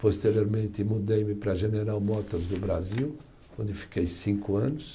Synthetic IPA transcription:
post̪eɾioɾmẽnt̪ɪmud̪ejmɪpɾɐʒeneɾawmɔt̪ɔɾzd̪ʊbɾaziw | õnd̪ɪfi̥kejsĩŋkʊɐ̃nʊs

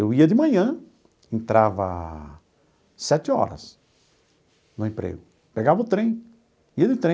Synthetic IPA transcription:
ewiɐd̪ɪmɐ̃ɲɐ̃ | ẽnt̪ɾavɐ | sɛt͡ʃ̪ɪɔ̰ɾɐ̰s | nʊẽpɾḛɡʊ | peɡavɐʊt̪ɾẽj̃ | iɐd̪ɪt̪ɾẽ

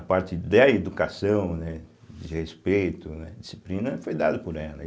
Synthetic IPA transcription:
ɐpaɾt͡ʃɪd̪ɐed̪ukasɐ̃w̃nɛ | d͡ʒɪhespejt̪ʊnɛd͡ʒisi̥plĩnɐfojd̪ad̪ʊpʊɾɛlɐ

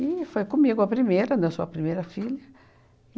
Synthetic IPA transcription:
ɪfojkõmiɡʊɐpɾimejɾɐnẽsuɐpɾimejɾɐfilɐ

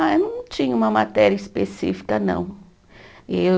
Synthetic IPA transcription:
aewnɐ̃w̃t͡ʃĩɲɐũmɐmat̪ɛɾjɐispesḭfi̥kɐnɐ̰̃w̃ | e

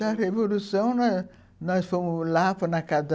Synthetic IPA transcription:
aɾevolusɐ̃w̃n | nɔsfomulafɐnakad̪

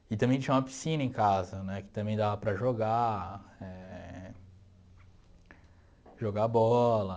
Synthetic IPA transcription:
ɪt̪ɐ̃bẽj̃t͡ʃĩɐ̃umɐpi̥sĩnɐẽkazɐnɛkɪ̥t̪ɐ̃bẽj̃d̪avɐpɾɐʒoɡa | ɛ | ʒoɡaɐbɔlɐ

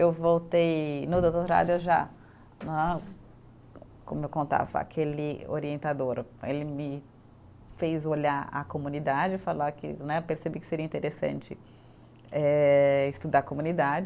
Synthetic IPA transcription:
ewvowt̪ejnʊd̪owt̪oɾɾa̰d̪ʊewʒa̰ | nã | kõ̰mʊewkõnt̪a̰vɐ̰a̰kʰelɪo̰ɾiẽnt̪ad̪oɾḛlɪmɪ | fejzoʎaɾa̰komũnid̪ad͡ʒɪfalakɪ̰nɛpeɾsebikɪ̥seɾiɐĩnt̪eɾesɐ̰̃nt͡ʃɪ | ɛɪst̪ud̪aɾkomũnid̪ad͡ʒɪ

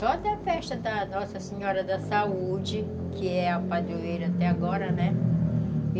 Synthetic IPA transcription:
t̪od̪ɐɐfɛʃt̪ɐd̪ɐnɔsɐsiɲɔɾɐd̪ɐsaud͡ʒɪkɪɛapad̪ueɾɐt̪ɛaɡɔɾɐnɛ

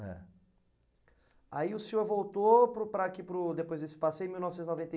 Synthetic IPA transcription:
ɛ̰ | a̰iʊseoɾvowt̪opɾʊpɾakipɾʊd̪epojzd͡ʒ̪isʊ̥pasejẽmiw̃nɔvɪsẽt̪znovẽnt̪e

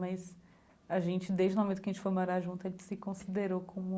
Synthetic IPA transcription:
mɐjs | ɐʒẽnt͡ʃɪd̪ejʒd͡ʒɪmomẽt̪ʊkɐʒẽt͡ʃɪfojmoɾaʒũnt̪ʊɐẽt͡ʃɪ̥sɪkõsid̪eɾokʰõmʊ

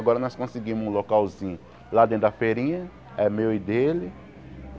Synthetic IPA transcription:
ɡɔɾɐnɔskõsɪɡĩmʊzlokauzĩɲ | lad̪ẽt̪d̪ɐfeɾĩɲɐ | ɛmewid̪elɪ

